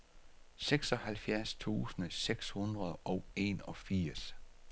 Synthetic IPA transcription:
seɡ̥sɒ̽hælfjæɐst͡sʰṵːsənəseɡ̥shun̥ʁɐð̞ˠʔɒ̽ʊe̝̰ːnɒ̽fiɐ̰s

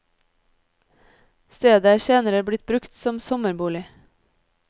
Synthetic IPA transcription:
st̪eːd̪əæːʃeːnəɾəbɽɪt̪̚bɾʉkt̪sɔmsɔməɾbuːlɪ

